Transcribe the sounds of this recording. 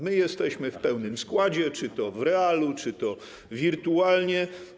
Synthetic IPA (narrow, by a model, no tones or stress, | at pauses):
mɘjɛst̪ɛɕmɘfpɛwnɘmskwad͡ʑɛt͡ʂɘt̪ɔvɾɛalut͡ʂɘt̪ɔ | vʲiɾt̪ualɲɛ